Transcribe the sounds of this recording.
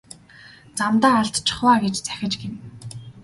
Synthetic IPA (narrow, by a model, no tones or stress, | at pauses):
t͡samt̪aːaɮt̪t͡ɕʰɪ̥̆χwaːɡet͡ɕt͡sæ̥xʲɪ̆t͡ɕɡen